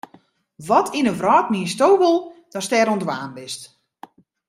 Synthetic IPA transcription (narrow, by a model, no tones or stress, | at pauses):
ʋɔtʰinəvrɔːt̚miəstowbəlˠd̥ɔstɛɾondwaːnbɪst